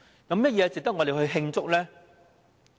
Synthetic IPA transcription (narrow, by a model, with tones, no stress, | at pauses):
kɐ˨˧˦mjɐ˥t̚jɛː˨˧t͡sɪ˨k̚t̪ɐ˥k̚ŋɔ˨˧ɾe˨˩hɵ˧ɥɦɪ˧ŋt͡sʊ˥k̚lɛː˥